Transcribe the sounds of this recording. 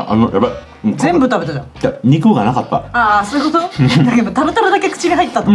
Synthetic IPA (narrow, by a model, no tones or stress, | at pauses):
ʔa̰noja̰pːa | ɯ̟̃d͡zẽ̞mbɯ̟t̪abe̞t̪ad͡ʑãaɲ̟ikɯɡanakat̪ːa̰asoɯkot̪od̪aked̪ot̪abe̞t̪abed̪ake̞kɯ̥t͡ɕiɾʲiɦait̪ːeːat̪o